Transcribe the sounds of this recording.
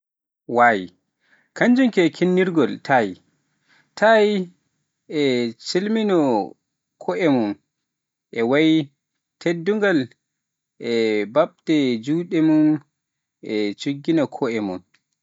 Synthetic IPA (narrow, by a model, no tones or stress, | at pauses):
waji | kaɲd͡ʒumkɛkʰinːiɾɡɔltʰaji | tʰaj | ɛt͡ʃilminɔ | kʰɔʔɛmun | ʔɛwaj | tʰedːuŋɡal | ɛbaɓtɛd͡ʒuːɗɛmun | ʔɛt͡ʃuɡːinɔkʰɔɛmun